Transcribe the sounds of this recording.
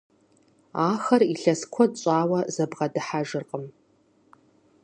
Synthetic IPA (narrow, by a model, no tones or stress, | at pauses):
aːxɐriɬɐskʷʰɔdɕʼaːwɐzɐbʁɐdɨħaʒɨrqʼəm